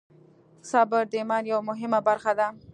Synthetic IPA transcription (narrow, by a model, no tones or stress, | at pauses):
sɑbəɾd̪emɑnjawamʊɦɪmabaɾxad̪a